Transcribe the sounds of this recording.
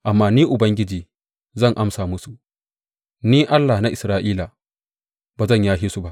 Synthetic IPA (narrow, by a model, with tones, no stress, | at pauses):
ʔa˨mːaː˦niː˦ʔʊ˨bɐ˦ŋɡʲɪ˦d͡ʒiː˨ | zɐ˦˨ŋʔa˦msaː˨mʊ˦su˨ | niː˦ʔa˦lːa˨na˦ʔɪ˨sɾaː˦ʔiː˦laː˨ | baː˨zɐ˦˨ɲjaː˦ɦi˦su˦ba˦ʔ